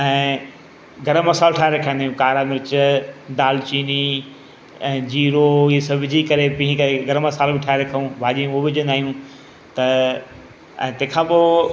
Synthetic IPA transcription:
ɛ̃ː | ɡɐɾəmːɐsaːlʈʰaːeɾɐkʰə̃nd̪aːjũkaːɾamɪɾɪt͡ɕd̪aːlt͡ɕiːni | ɛ̃ːd͡ʑiːɾoesɐbʱɪd͡ʑʱikɐɾepĩɦkɐɾeɡɐɾəmɐsaːlbɪʈʰaːeɾɐkʰaũbʱaːʄĩɦobɪd͡ʑə̃nd̪aːɦijũ | t̪ɐ | ɛ̰̃ːt̪ɐ̃ɦkʰãːpoː

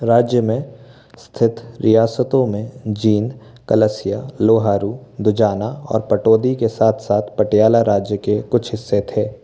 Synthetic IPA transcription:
ɾaːd͡ʒjəmẽ | st̪ʰɪt̪ʰɾɪjaːsət̪õmẽd͡ʒiːn | kɐləsɪjaloːɦaːɾud̪ʊd͡ʒaːnaɔ̰ːɾpɐʈoːd̪ikesaːt̪ʰsaːt̪ʰpɐʈjaːlaɾaːd͡ʒjəkekʊt͡ʃʰɦɪsːet̪ʰeː

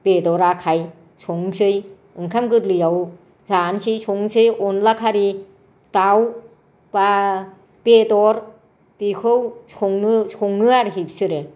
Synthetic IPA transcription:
pedɔɾakʰaj | sʰɔŋsɯj | ɯŋkʰamkɯtlɯjaw | zansisʰɔŋsɯjɔnlakʰaɾi | taw | ba | pedɔɾ | tikʰɯwsɔŋnɯsɔŋːɯaɾɦipsɯɾe

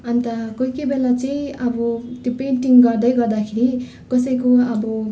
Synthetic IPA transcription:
ʌnt̪ʌkʌikebelat͡sʌjĩʌbʌt̪jopeɳʈiŋɡʌrd̪ʌjɡʌrd̪akʰeɾi | kʌsʌjkoʌbʌ

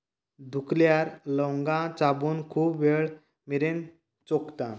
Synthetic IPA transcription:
d̪ʱukljaɾlɔŋɡãt͡sabuːnkʰuːbʋeɭ | miɾen | t͡sokt̪ã

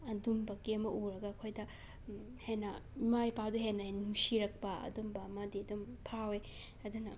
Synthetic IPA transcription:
ɐdumbɐɡiɐmɐʔuɾɐɡɐːkʰojdɐ | henɐmajpaduɦenɐenuŋsiɾɐk̚pɐɐ̰dumbɐmadiɐdumpʰawe | ɐdunɐ

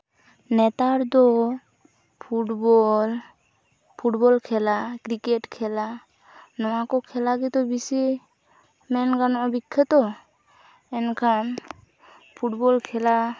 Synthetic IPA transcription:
nɛt̪aɾd̪ɔ | pʰuʈbɔl | pʰuʈbɔlkʰɛlakɾikɛʈkʰɛla | nɔwakɔkʰɛlaɡit̪ɔbisi | mɛnɡanɔʔbikʰːɛt̪ɔ | ɛnkʰan | pʰuʈbɔlkʰɛla

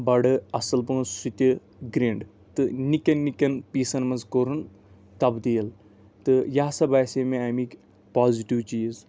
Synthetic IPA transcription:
bɐɽɨɐsɐlpɨnsut̪ʲɨ | ɡɾeːɳɖ | t̪ɨnikʲɐnːikɐnpiːsɐnmɐnzkoɾɨn | t̪ɐbd̪iːɐl | t̪ɨjaːsɐbaːsemẽɐmiːkʲ | paːziʈiwt͡ʃiːz

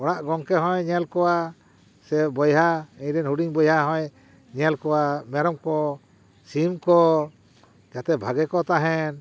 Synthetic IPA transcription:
ɔɽ̃aʔɡɔŋkɛɦɔ̃jɲɛlkɔwa | sɛbɔjɦaɛ̃ɲɾɛnhuɖiŋbɔjɦaɦɔ̃j | ɲɛlkɔwamɛɾɔmkɔ | simkɔ | d͡ʒat̪ɛbʱaɡɛkɔt̪aɦɛn

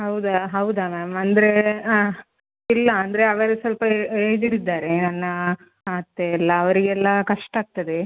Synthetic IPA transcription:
ɦɐwd̪ɐɦɐwd̪ɐmaːmɐnd̪ɐɾe | ilːɐːnd̪ɐɾeɐʋɐɾesɐlpɐeːd͡ʒ̪iɽid̪ːaːɾenɐnːɐ | aːt̪ːeɛlːɐːʋɐɾiɡɛlːɐkɐʂʈɐaːɡ̚t̪ɐd̪e

